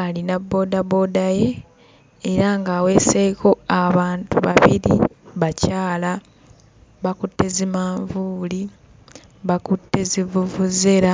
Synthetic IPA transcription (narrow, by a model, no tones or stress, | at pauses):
alinabːo̞ːdaβo̞ːdaje̞ː | ɾaŋɡaːwe̞ːseko̞aβaːntuβa̰βiɾḭβacaːla | βakutːe̞zimaːɱvuːli | βakutːe̞zivuvuzeɾa